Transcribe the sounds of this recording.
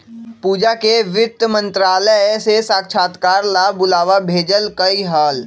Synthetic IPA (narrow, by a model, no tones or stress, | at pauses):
puːd͡ʒakeʋɪt̪əmə̃nt̪ɾaːləsesaːkʃʰaːt̪kaːɾlabʊlaːʋabʱeːd͡ʒəlkəiɦaːl